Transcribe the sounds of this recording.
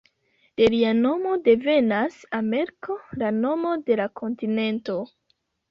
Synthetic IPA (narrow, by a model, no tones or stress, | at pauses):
d̥e̞liano̞mo̞de̞ve̞nasame̞ɾkolano̞mo̞de̞lakʰo̞ntine̞nto̞